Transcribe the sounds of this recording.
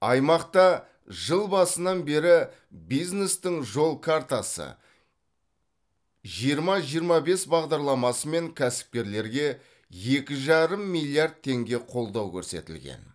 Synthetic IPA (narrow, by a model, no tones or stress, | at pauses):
ɑjmɑqt̪ɑ | ʒəlˠbɑsənɑnbe̞ɾɪ | bijzne̞st̪ɪŋʒo̞lˠkʰaɾt̪asə̰ | ʒijəɾmɑʒijəɾmɑbe̞sbɑʁd̪ɑɾlˠɑmɑsəme̞ŋkʲʰæsɪ̥p̚kʲe̞ɾle̞ɾɡʲe̞ | je̞kʲɪʒɑɾəmːilʲˠjiaɾd̪̚t̪ʰːe̞ŋɡʲe̞qʰo̞lˠd̪ɑwkʲʰɵ̰ɾse̞̰t̪ɪ̰lɡʲḛn